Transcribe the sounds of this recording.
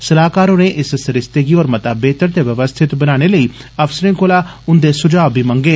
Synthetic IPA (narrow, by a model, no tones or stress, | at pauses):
səlaːkaːɾoːnẽʔɪssəɾɪst̪eːɡiɔːɾmət̪aːbeːt̪əɾt̪eːʋjəʋəst̪ʰɪt̪bənaːɽ̃eləiːəfsəɾɪ̃ŋkolaː | ʊnd̪eːsʊd͡ʒaːbʱiːməŋɡeː